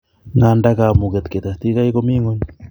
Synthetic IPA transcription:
ŋandaka˨mu˨ke˨t̪ke˨t̪a˨st̪i˦ka˦ikomi˦ŋo˦n

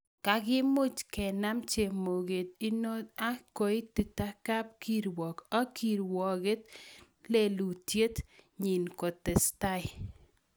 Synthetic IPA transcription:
ka˨˦ɡɪ˦mʊ˦t͡ʃkɛ˨na˦mt͡ʃe˨mo˨ɡe˨t̪̚ɪ˦no˦t̪a˦ko˨ɪ˦tɪ˨ta˦ka˦p̚ki˦ɾwɔ˨ka˦ki˦˨ɾwɔ˨ɡe˦t | le˦lu˨tje˦tɲɪ˨nko˨tɛ˨sta˦ɪ˨

